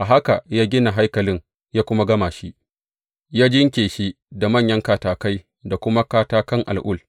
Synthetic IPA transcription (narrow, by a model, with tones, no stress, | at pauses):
ʔa˨ɦa˦ka˨jaː˦ɡʲɪ˦na˨ɦa˦jkɐ˨lɪ˦ŋ | jaː˦kʷʊ˦ma˦ɡɐ˦maː˨ʃi˦ʔ | jaː˦d͡ʒɪ˦ŋkʲeː˨ʃi˦ | da˨mɐ˦˨ɲjɐ˦ŋkaː˦taː˨ka˦j | da˨kʷʊ˦ma˦kaː˦taː˦kɐ˦ŋʔa̰˨lʔʊ˦˨l